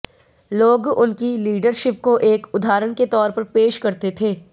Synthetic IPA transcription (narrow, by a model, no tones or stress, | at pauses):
loːɡʊnkiliːɖəɾʃɪp̚koʔeːkʊd̪ʱaːɾəɽ̃ket̪ɔːɾpɐɾpeːʃkɐɾt̪et̪ʰeː